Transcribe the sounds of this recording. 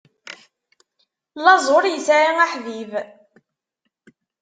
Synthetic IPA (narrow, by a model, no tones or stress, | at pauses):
lːɑzˤoɾˤjəsaɾaŋaħviv